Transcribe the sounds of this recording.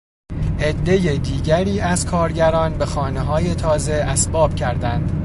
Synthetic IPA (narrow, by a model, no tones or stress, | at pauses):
ʔe̞d̪ːe̞je̞d̪iːɟæɾiːæzkʰɒːɾɟæɾɒːnbe̞xɒːne̞ɦɒːje̞t̪ʰɒːze̞ʔæsbɒːb̥cʰæɾd̪ænd̪